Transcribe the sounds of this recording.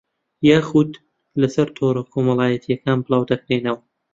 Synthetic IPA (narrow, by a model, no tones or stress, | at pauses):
jaːxud̪ | lɐsɐɾt̪ʰoɾɐkʰomɐlˠaːjɐt̪ʰijɐkaːnbɨlˠɑːwd̪ɐkɾeːnɐwɐ